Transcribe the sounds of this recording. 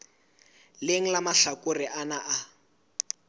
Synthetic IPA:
leŋ̩lamaɬakʼʊrɪʔanaʔa

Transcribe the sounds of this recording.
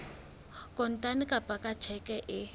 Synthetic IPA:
kʼɔn̩tʼanɪkʼapʼakʼat͡ʃʰɛkʼɛʔɪ

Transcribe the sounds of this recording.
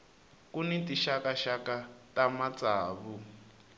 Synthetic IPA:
kunɛtiʃakaʃakatamat͡saːβu

